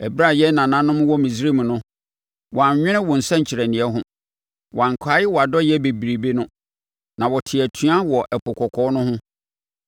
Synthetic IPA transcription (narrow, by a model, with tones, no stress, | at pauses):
æ˨bɾa˦˨jɛ˦nã˨nã˦nʊ̃˦m̃˦wɔ˦mĩ˨si˦ɾi˦m̃˨nʊ̃˦ | wɔ˨a˨ɲ˨ɲᶣɪ̃˦nɪ̃˦wɔ˨n̩˨sɛ̃˦ɲ̩˨t͡ɕʰɪ˨ɾɛ˨nɪ̃˨ɛ˦ɦʊ̃˦ | wʔã˨ŋ˨kʷʰaː˨˦jɪ˦wɔ˨a˨dɔ˦jɪɛ˦be˨bi˨ɾi˨be˦nʊ̃˦ | nã˨wɔ˨tʰɪ˨æ˨tʰũ˦a˦wɔ˨ʔɛ˨pʰʊ˨kʰɔ˨kʰɔː˨˦nʊ̃˦hʊ̃˦